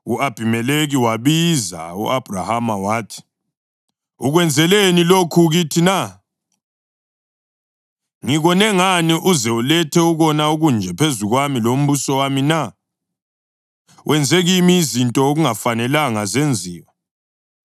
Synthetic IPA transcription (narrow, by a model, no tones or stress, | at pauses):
uab̥ʱimɛleɣiwaβiza̰ṵʔab̥ʱrahamawaːtʰi̥ | ṵɣwɛnd͡zʱɛlenilokʰuɣitʰina | ŋiɣɔnɛŋaniʔuzɛulɛtʰɛuɣɔnauɣund͡ʒʱɛpʰezuɣwamilom̩βusɔwamina | wʔɛnd͡zʱɛɣimiːzintʼɔoɣuŋafanɛlaŋazend͡zʱiːwa